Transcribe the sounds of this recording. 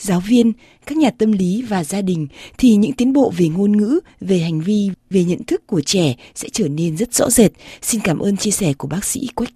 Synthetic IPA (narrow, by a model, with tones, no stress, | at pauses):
zaː˨˦wvi˧ən | kaː˦˥k̚ɲaː˨˩t̪ə˧mli˨˦vaː˨˩zaː˧ɗï˨˩ŋ̟t̪ʰi˨˩ɲɨ̰˧˥ŋt̪i˨˦nɓo̰˧˨ve˨˩ŋo˧nŋɨ̰˧˥ | ve˨˩ɦa˨˩jŋ̟vi˧ve˨˩ɲə̰˧˨nt̪ʰɨ˦˥kːu˧˩ət͡ɕɛ˧˩sɛ̰˧˥t͡ɕəː˧˩ne˧nzə˦˥t̚z̥ɔ̰˧˥ze˨˩t̚si˧nkaː˧˩mʔəː˧nt͡ɕi˧əsɛ˧˩ku˧˩əɓaː˦˥k̚sḭ˧˥kwa˦˥k̟̚